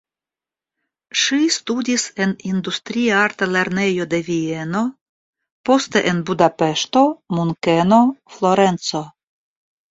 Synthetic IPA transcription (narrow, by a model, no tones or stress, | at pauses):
ʃistudise̞nindustɾiaaɾtale̞ɾne̞jo̞de̞vie̞no̞ | po̞ste̞ʔenbudape̞ʃto̞muŋke̞no̞flo̞ɾe̞nt͡so̞